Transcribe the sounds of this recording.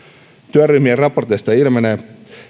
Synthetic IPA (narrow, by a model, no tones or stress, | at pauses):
t̪yæryhmierɑport̪est̪ɑilmɑne